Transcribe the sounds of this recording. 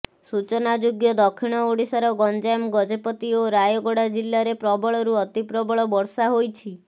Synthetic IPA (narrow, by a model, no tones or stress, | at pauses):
sut͡ʃɔnad͡ʒoɡjɔd̪ɔkʰːiɽ̃ɔoɽisaɾɔɡɔnd͡ʒajmɡɔd͡ʒepɔt̪ioɾajɔɡɔɽad͡ʒilːaɾepɾɔbɔɭɔɾuɔt̪ipɾɔbɔɭɔbɔɾsaɦojt͡ʃʰi